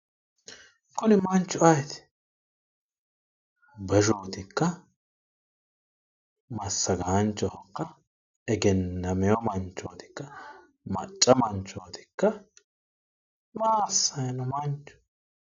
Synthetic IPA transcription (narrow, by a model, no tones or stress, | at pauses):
kʊnɪmɐnt͡ʃːʊɐjɛt̪ɛ̥ | bɐʒoːt̪ɪkːɐ | mɐsːɐɡaːnt͡ʃːɔhɔkːɐ | ɛɡɛnːɐmɛjɔmɐnt͡ʃːo̰ːt̪ɪ̥kːɐ | mɐ̰t͡ʃʼːɐmɐnt͡ʃːoːt̪ɪ̥kːɐ | maːsːɐjnʊmɐnt͡ʃːʊ̥